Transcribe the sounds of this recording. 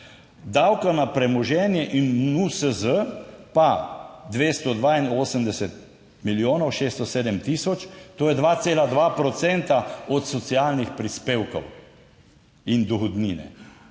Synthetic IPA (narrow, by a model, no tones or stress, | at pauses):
d̪awkanapɾɛmɔʒɛːnjɛʔinusəzəpad̪ʋeːst̪ɔd̪ʋaːinoːsəmd̪ɛsɛt̪̚ | miljoːnɔwʃeːst̪ɔseːd̪əmt̪isɔt͡ʃt̪oːjɛd̪ʋaːt̪seːlad̪ʋaːpɾɔt̪sɛnt̪aɔt̪sɔt̪siaːlnixpɾispeːwkɔ̰w | ind̪ɔxɔd̪niːnɛ̰